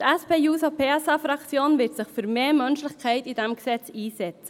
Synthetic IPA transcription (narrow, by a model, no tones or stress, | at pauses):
tɛspeːjuːsopʰeːɛsɑfɾɑkt͡sjoːnvɪtsɪχfyːɾmeːmœnʃlɪçkʰɛɪtid̥ɛmɡsɛt͡siːzɛt͡sə̥